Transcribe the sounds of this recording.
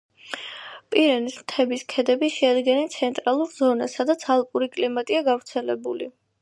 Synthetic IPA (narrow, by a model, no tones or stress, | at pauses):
pʼiɾɛnismt̪ʰɛbiskʰɛd̪ɛbiʃɛad̪ɡɛnɛnt̪sʰɛnt̪ʼɾalˠuɾzɔna̰sad̪at̪sʰalˠpʼuɾikʼlimat̪ʼiaɡavɾt̪sʰɛlɛbṵlḭ